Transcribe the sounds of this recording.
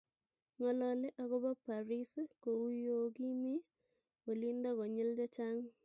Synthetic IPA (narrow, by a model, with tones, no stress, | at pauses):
ŋɔ˨lɔ˨le˦ʔa˨ko˦bɔ˦pa˨ɾi˦sko˨u˦jo˦ki˦mi˦ | ko˨li˦ndɔ˦ko˨ɲɪ˦lt͡ʃa˦t͡ʃa˦ŋ